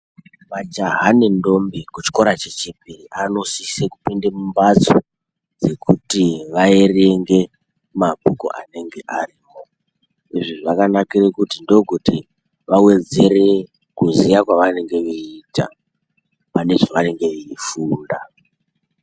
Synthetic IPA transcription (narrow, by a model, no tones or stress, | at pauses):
mad͡ʒaɦanendo̞mbekut͡ʃi̥ko̞ɾat͡ʃet͡ʃipiriʔano̞siseku̥pindemumbat͡so | d͡ze̞kʰutiʋaereŋɡe̞ | mabʱuko̰ʔa̰ne̞ŋɡe̞ʔariːwo̞ | iʐiʐiʋakanakirekutindo̞ɡʱoti | ʋawe̞d͡ze̞re | kuzijakwaʋane̞ŋɡe̞ʋeita̰ | pane̞ʐaʋane̞ŋɡe̞iifuːnda